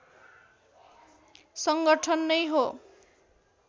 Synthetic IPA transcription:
sʌŋɡʌʈʰʌnːʌjɦo

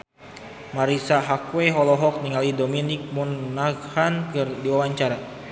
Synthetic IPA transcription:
maɾisaɦakweɦɔlɔɦɔk̚niŋalidominik̚munːaɡhankɨrdiwawaɲt͡ʃaɾa

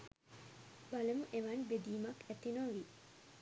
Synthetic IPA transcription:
balemuʔeʋanbed̪iːmɐkɛt̪inoʋi

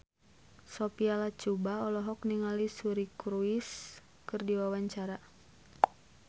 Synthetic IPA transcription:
sɔpialat͡ʃubaɔlɔɦɔkniŋalisuɾikɾuis | kɨrdiwawaɲt͡ʃaɾa

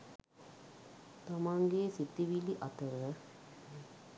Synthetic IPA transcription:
t̪ɐmaːŋɡeːsit̪ːiʋiliʔɐt̪ɐɾɐ

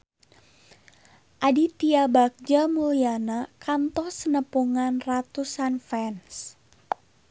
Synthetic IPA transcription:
ʔadit̪iabak̚d͡ʒamulianakant̪ɔsənəpuŋanrat̪usanfɛns

